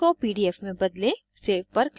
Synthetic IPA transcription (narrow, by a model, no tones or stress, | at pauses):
opiːɖiɛːfmẽbɐd̪lẽ | seːfpɐɾk